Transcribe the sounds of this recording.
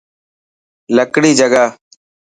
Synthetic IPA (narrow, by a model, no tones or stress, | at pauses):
ləkɽiːd͡ʒəɡaː